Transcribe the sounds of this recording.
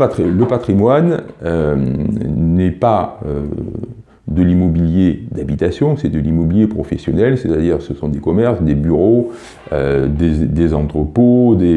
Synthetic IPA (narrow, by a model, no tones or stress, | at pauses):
pat̪χiləpat̪χimwanø | nɛpaø̰ | d̪əlimɔbiljed̪abit̪asjɔ̃sɛd̪əlimɔbiljepχɔfɛsjɔnɛlset̪ad̪iʁsəsɔ̃d̪ekɔmɛʁsd̪ebyʁo | ød̪ed̪ezɑ̃t̪χəpod̪e